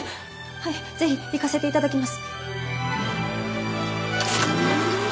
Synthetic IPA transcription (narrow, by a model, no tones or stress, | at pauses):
haize̞çibʲikase̞t̪e̞it̪ad̪akʲimasɨ̥